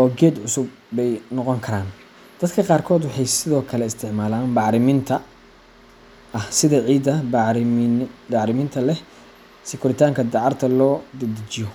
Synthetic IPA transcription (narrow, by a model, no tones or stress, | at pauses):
ʔɔːɡɛːd̪ʕʊsʊbːɛjnɔqɔŋkʰɐɾaːn | d̪̥ɐd̪kʰɐqɑːrkʰɔːd̪wʊħɑjsɪðɔːkʰɐlɛɪst̪ʰɪʕmaːlaːnbɑʕɾɪmɪnt̪ʰɐ | ʔɐhsɪðɐʕiːd̪ɐɾd̪ɑʕɾɪmɪnt̪ʰɐlɛh | sɪkʰʊɾɪt̪ʰaːŋkʰɐd̪ɑʕɑrt̪ʰɐlɔːd̪ɐd̪ɪt͡ʃɪjɔ